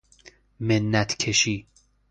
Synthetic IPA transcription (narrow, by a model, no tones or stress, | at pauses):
menːæt̪ʰkʰeʃiː